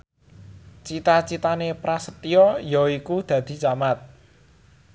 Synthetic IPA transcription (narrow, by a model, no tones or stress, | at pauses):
t͡ʃit̪at͡ʃit̪anepɾasət̪iɔjɔikud̪̥ä̤d̪̥i̤t͡ʃamat̪̚